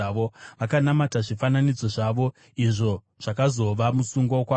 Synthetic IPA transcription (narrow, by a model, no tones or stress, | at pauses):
ʋoʋakanamataʐifananid͡zo̞ʐaʋo̞ | iʐo̞ | ʐ̥akazo̞ʋamusuŋɡokwa